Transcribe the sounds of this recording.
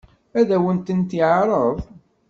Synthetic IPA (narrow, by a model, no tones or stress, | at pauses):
æðæwənt̪ənt̪iʕɾˤəðˤ